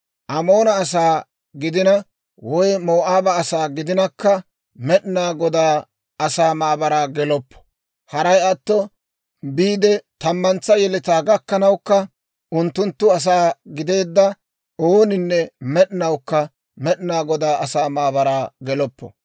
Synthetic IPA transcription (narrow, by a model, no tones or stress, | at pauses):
ʔɐmo̞ːnɐːs̬aː | ɡɪd̪ɪnɐ | wɔjmo̞ːʔaːbɐːsaːɡɪd̪ɪnɐkːɐ | mɛɗnaːɡɔd̪aː | ɐsaːmaːbɐɾaːɡɛlɔpːɔ̥ | hɐɾɐjɐt̪ːɔ | biːd̪ɛt̪ɐmːɐnt͡sːɐjɛlɪt̪aːɡɐkːɐnɐwkːɐ | ʊnt̪ːʊnt̪ːʊɐs̬aːɡɪd̪e̞ːd̪ːɐ | oːnɪnːɛmɛɗnɐwkːɐ | mɛɗɪnaːɡɔd̪aːʔɐsaːmaːbɐɾaːɡɛlɔpːɔ̰